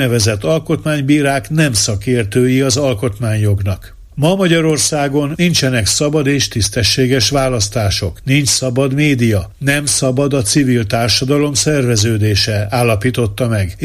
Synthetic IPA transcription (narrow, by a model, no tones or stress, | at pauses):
nɛvɛzɛt̪ːɒlko̞t̪maːɲbiːɾaːknɛmsɒkeːrt̪øːjiɒzɒlko̞t̪maːɲjo̞ɡnɒk | mɒmɒɟɒɾo̞rsaːɡo̞nint͡ʃɛnɛksɒbɒd̪eːʃt̪ist̪ɛʃːeːɡɛʃʋaːlɒst̪aːʃo̞knint͡ʃsɒbɒd̪meːd̪ijɒnɛmsɒbɒd̪ɒt̪sivilt̪aːrʃɒd̪ɒlo̞msɛrvɛzøːd̪eːʃɛaːlːɒpiːt̪o̞t̪ːɒmɛɡ